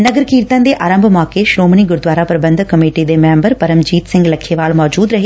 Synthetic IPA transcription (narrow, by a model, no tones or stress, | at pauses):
nɐɡəɾkiːɾt̪ə̃n̆d̪eːʔaːɾə̃mbʱmɔːkeʃɾoːməniɡʊɾd̪ʋaːɾapɾɐbə̃nd̪ʱkɐmeːʈid̪emɛ̃ːmbəɾpɐɾəmd͡ʑiːt̪sɪ̃ŋɡlɐkʰeʋaːɭmɔːd͡ʑuːd̪ɾɐɦe